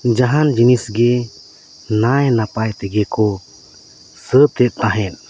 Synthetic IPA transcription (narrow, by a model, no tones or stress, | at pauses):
d͡ʒaɦand͡ʒinisɡɛ | najnapajt̪ɛɡɛkɔ | sət̪ɛt̪̚ˀt̪aɦɛn̚